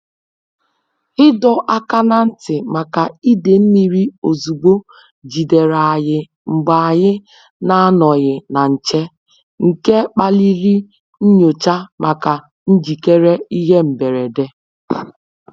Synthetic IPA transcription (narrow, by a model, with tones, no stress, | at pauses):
hɪ˦dɔ˦ʔa˦ka˦na˦n̩˦tɪ˨ma˨ka˨i˦de˨m̩˦mi˨ɾi˦o˨zu˨ɡ͡bo˦ | d͡ʒi˨de˨ɾa˨jɪ˨ | ŋ͡m̩˨ɡ͡ba˨a˨ɣɪ˦ | na˦a˦nɔ˨ɣɪ˨na˨n̩˨t͡ʃe˦ | ŋ̩˨ke˦k͡pa˦li˦ɾi˦ | n̩˦ɲo˨t͡ʃa˦mʔa˨ka˨ | n̩˦d͡ʒi˨ke˦ɾe˦i˦ɦe˦m̩˨be˨ɾe˨de˦